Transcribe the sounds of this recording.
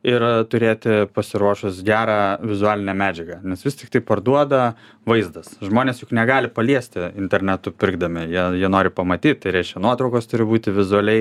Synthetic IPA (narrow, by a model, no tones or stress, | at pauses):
ɪrt̪ʊɾʲeːt̪ʲɪpɐsʲɪɾuɔʃʊsɡʲæːɾɑːʋʲɪzʊɑːlʲɪnʲɛmʲæːd͡ʒʲɛɡɐnʲɛsʋʲɪst̪ʲɪkt̪ɐɪpɐrd̪uɔd̪ɐ | ʋɐɪzd̪ɐsʒmoːnʲeːsjʊknʲɛɡɑːlʲɪpɐlʲiɛsʲt̪ʲɪɪnʲt̪ʲɛɾʲnʲɛt̪ʊpʲɪrɡd̪ɐmʲɪjiɛjiɛnoːɾʲɪpɐmɐt̪ʲiːt̪̚t̪ɐɪɾʲɛɪʃʲkʲɛnuɔt̪ɾɒʊkoːst̪ʊɾʲɪbuːt̪ʲɪʋʲɪzʊɐlʲɛɪ